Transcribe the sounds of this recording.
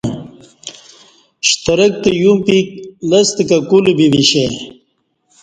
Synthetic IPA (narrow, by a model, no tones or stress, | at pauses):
ɕt̪ɐɾək̚t̪ejumpik̚lɐst̪ikakulubibiɕe